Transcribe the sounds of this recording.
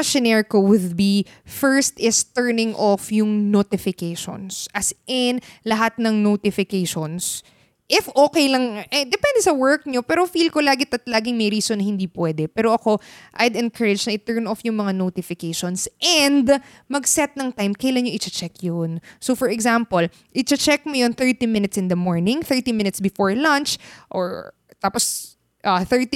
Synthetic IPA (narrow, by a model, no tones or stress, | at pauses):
ɐʃɛnɛɹkowʊd̪̚bi | fɛɹst̪ɪst̪ɛɹnɪŋʔofjʊŋnot̪ɪfɪkejʃo̰nsʔɐsʔɛnlɐɦat̪̚nɐŋnot̪ɪfɪkejʃons | ʔɪfʔoːkɛjlɐŋɛd̪ɛpɛnd̪sɐwɛɹk̚ɲo̞pɛːɾofilkolaːɡɪt̪ɐt̪laːɡɪŋmɛjɾiːsonːɐhɪnd̪iːpwɛːd̪ɛpɛːɾo̞ʔɐko̞ʔɐjd̪ɛnkʰɐɹɛd͡ʒnɐʔɪt̪ɛɹnɔfjʊŋmɐŋanot̪ɪfɪkejʃonsʔɛnd̪ | mɐɡsɛt̪̚nɐŋt̪ajmkɐjɐlanɲoʔɪt͡ʃɐt͡ʃɛkjonsofɔɹɛɡzampol | ʔɪt͡ʃɐt͡ʃɛk̚mojonθɛɹt̪imɪnɪt̪sɪ̃nd̪ɐmoɹnɪ̃ŋθɛɹt̪imɪnɪt̪sbɪfoɹlɐnt͡ʃʔo̰ɹ | t̪aːpos | ʔɐθɛɹt̪i